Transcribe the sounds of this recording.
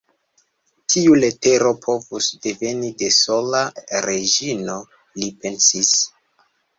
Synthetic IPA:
tʰiule̞te̞ɾo̞pʰo̞vusde̞ve̞nide̞so̞laɾed͡ʒino̞ | lipe̞nsis

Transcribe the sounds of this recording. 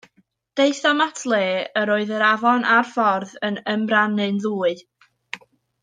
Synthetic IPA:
d̥eɨθɔmatʰlˠeːəɾoːɨðəɾavɔnʔarfɔrðənəmranɨnðuːɨ

